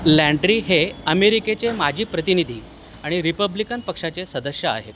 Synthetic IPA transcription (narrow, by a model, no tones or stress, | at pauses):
læ̃ɳɖɾiːɦeəmeɾiket͡semad͡ʑʱiːpɾət̪inid̪ʱiː | aɽ̃iɾipəblikənpəkʂat͡sesəd̪əɕjəa̰ɦḛt̪